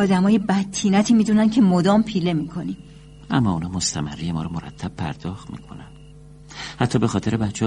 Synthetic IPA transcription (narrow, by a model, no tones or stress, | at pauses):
ɒːd̪æmɒːje̞bæt̪ʰːiːnæt̪ʰiːmiːd̪uːnæncʰe̞mod̪ɒːmpʰiːle̞miːkʰo̞nim | ʔæ̰mːɒːuːnɒːmost̪ʰæmæ̰rijemɒ̰ːɾɒmoɾæ̰t̪ʰːæb̥̚pʰæ̰ɾd̪̥ɒːxt̪mḭːkʰo̞̰nænd̥̪ | hæt̪ʰːɒːbe̞xɒːt̪ʰe̞ɾebætt͡ʃʰːe